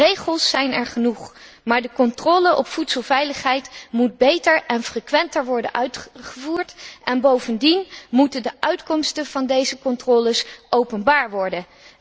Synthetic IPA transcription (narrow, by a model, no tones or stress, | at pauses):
rejχəlˠsɛjnɛɹχənuχ | maːɹdəkɔntrɔːləʔɔ̰pfutsəlˠvɛjləχɦɛjtmud̚bejtəɹʔɛnfrekʋɛntəɹʋɔɹdə̰nʔœɥtχχəvuːɹtʔɛnbowvəndinmutəndəʔœɥtkɔmstənv̥ɑndejzəkɔntrɔːləsʔowpənbaːɹʋɔɹdə